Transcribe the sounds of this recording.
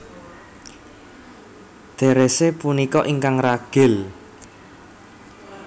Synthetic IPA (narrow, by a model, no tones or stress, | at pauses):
d̪̥e̤ɾesepunikɔʔiŋkaŋraɡ̥ɪ̤l